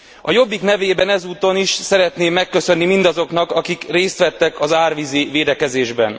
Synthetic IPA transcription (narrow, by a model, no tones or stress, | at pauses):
ɒ̰jo̞bːiknɛveːbɛnɛzuːt̪o̞niʃsɛɾɛt̪neːmːɛkːø̞sø̞nːimind̪ɒzo̞knɒkɒkikreːst̪ʋɛt̪ːɛkɒzaːrʋiziveːd̪ɛkɛzeːʒbɛ̰n